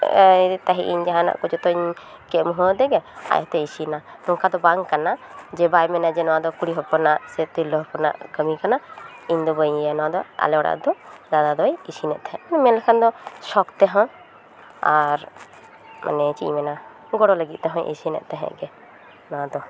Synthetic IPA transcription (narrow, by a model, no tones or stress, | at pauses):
t̪aɦiʔiɲd͡ʒaɦãna̰ʔkɔd͡ʒɔt̪ɔiɲkɛmuɦəd̪ɛɡɛa̰jt̪ɛisinanɔŋkʰad̪ɔbaŋkanad͡ʒɛbajmɛnad͡ʒɛnɔ̃wad̪ɔkuɽiɦɔpɔnaʔsɛt̪ilɔɦɔpɔna̰ʔkəmikanaiɲd̪ɔbəɲjɛnɔwad̪ɔa̰lɛwaɽa̰ʔd̪ɔd͡ʒad̪ad̪ɔjisinɛʔt̪ɛɦɛ̃ʔnɛmɛnlɛkʰand̪ɔsɔkt̪ɛɦɔ̃ | aɾ | mʔa̰nɛt͡ʃḭɲmɛna | ɡɔɽɔləɡit̪̚t̪ɛɦɔ̃ʔḭsinɛ̰ʔt̪ɛɦɛ̰̃ʔɡɛ | nɔwad̪ɔ